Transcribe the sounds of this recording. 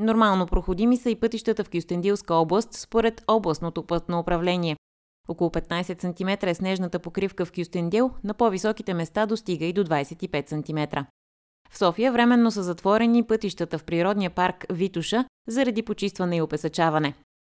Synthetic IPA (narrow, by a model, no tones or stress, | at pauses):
noɾmalˠnopɾoxod̪imisəipɤt̪iʃt̪ət̪əfkjust̪ɛnd̪ilˠskəɔblˠəst̪spoɾɛt̪ɔblˠəst̪not̪opt̪noːpɾɐvlɛniɛ | ɔkolˠʊpɛt̪̚najsɛt̪sɐnt̪imɛt̪ɾəɛsnɛʒnət̪əpokɾifkəfkʲjust̪ɛnd̪ilˠnɐpɔvisɔkit̪ɛmɛst̪ad̪ost̪iɡəid̪od̪vajsɛt̪ipɛt̪sɐnt̪imɛt̪ɾə | fsɔfijəvɾɛmɛnːos̬əzɐt̪vɔɾɛnipɤt̪iʃt̪ət̪əfpɾiɾɔd̪nijəpaɾkvit̪uʃə | zɐɾɐd̪ipot͡ʃist̪vɐnɛiopɛsɐt͡ʃavɐnɛ